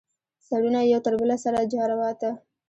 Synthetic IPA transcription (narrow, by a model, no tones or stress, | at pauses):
saɽunajawt̪əɾbəlasaɾad͡ʒɑɾawɑt̪a